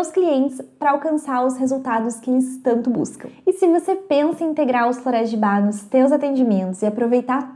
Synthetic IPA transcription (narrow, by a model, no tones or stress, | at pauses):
wskliẽnt͡ʃ̪ɪ̥spɾɐawkɐ̃saɾʊshezuwt̪ad̪ʊskɪelɪst̪ɐ̃nt̪ʊbṵskɐ̃w̃ɪsɪvosepẽsɐ̃ĩnt̪eɡɾaɾʊsfloɾɛzd͡ʒɪbanʊst̪ewzat̪ẽnd͡ʒimẽnt̪ʊzɪapɾovejt̪aɾ